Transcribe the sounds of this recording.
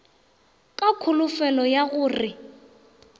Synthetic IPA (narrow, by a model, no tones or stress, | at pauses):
kʼakʰʊlʊfɛlɔjaɣʊːrɪ